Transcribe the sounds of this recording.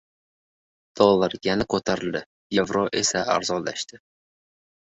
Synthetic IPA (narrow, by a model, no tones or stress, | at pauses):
d̪̥ɒlˠːaɾjanakʰot̪ʰaɾɪld̪ɪ | jevɾoʔe̞saa̰ɾzɒnlːa̰ʃt̪ɪ